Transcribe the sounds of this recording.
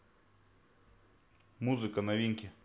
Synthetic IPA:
muzɨkɐnɐʋʲiŋkʲɪ

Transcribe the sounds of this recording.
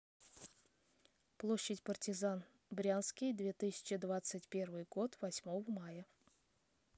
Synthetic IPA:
plˠo̞ɕːɪtʲpərtʲɪzan | bɾʲanskʲɪjd̪vʲe̞t̪ɨsʲɪ̥t͡ɕɪd̪vat̪sɨtʲpʲe̞rvɨjɡo̞t̪vɐsʲmo̞vəmajə

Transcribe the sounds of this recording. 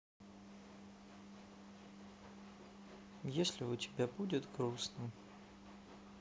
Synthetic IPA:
jesʲlʲɪʊtʲɪ̥bʲabudʲɪt̪ɡɾusnə

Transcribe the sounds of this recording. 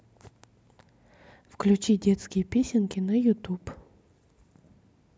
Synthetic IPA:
fklʲʉt͡ɕidʲet̪skʲɪjəpʲesʲɪnkʲɪnɐjʊt̪up

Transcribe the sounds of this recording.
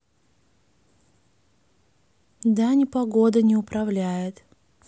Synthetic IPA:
d̪anʲɪpɐɡod̪ənʲɪʊpɾɐvlʲæjɪt̪

